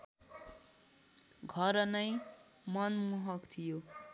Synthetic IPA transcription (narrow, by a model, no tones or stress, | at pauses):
ɡʱʌɾʌnʌj | mʌnmuɦʌkt̪ʰijo